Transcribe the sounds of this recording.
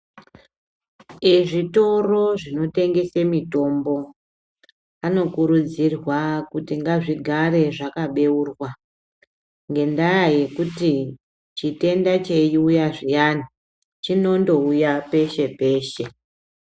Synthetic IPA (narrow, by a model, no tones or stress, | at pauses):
eʐito̞ro̞ʐino̞te̞ŋɡe̞semito̞mbo̞ | ano̞kuɾud͡zirwakutiŋɡaʐiɡʱare̞ʐakaɓe̞uːrwa | ŋɡe̞ndajaje̞kuti | t͡ʃite̞ndat͡ʃe̞jiujaʐijana | t͡ʃino̞ndo̞ujape̞ʃe̞pe̞ːʃe̞